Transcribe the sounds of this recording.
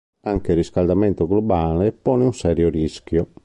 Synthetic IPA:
aŋkeɾiskald̪amɛnt̪oɡlobaːlepːɔːneunsɛːɾjoɾiskjɔ

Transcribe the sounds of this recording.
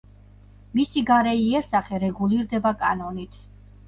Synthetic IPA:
misiɡaɾɛiɛɾsaχɛɾɛɡuliɾd̪ɛbakʼa̰nɔnit̪ʰ

